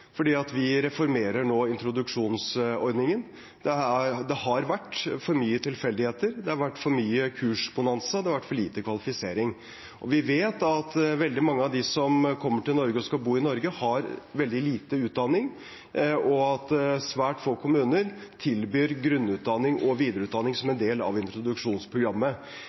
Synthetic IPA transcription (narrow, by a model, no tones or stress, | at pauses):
fɔɖiːɑt̪ʋɪɾɛfɔɾmeːɾəɳoːɪnt̪ɾʊd̪ʉkʂuːnsɔɾd̪nɪŋən | d̪̥ɛæd̪ɛhɑɾʋæʈːfɔɾmyːət̪ʰɪlfɛld̪ɪheːt̪əɾd̪ɛhɑɾʋæʈːfɔɾmyːəkʰʉːʂbʊnɑnsəd̪ɛhɑʋæʈːfɔɭiːt̪əkʰʋɑlɪfɪseːɾɪŋ | ʔɔʋɪʋeːt̪ɑt̪ʋɛld̪ɪmɑŋːəɑʋd̪ɪsɔmkʰɔmːəʈɪlnɔɾɡəɔskɑlbuːɪnɔɾɡəhɑɾʋɛld̪ɪliːt̪əʉːt̪̚d̪ɑnːɪŋ | ɔɑt̪sʋæːʈfoːkʰʊmʉːnəɾt̪ʰɪlbyːɾɡɾʉnːʉːt̪̚d̪ɑnːɪŋʔɔʋiːd̪əɾʉːt̪d̪ɑnːɪŋsɔmɛnd̪eːlɑ̰ʋɪnt̪ɾʊd̪ʉkʂuːnspʰɾʊɡɾɑmːə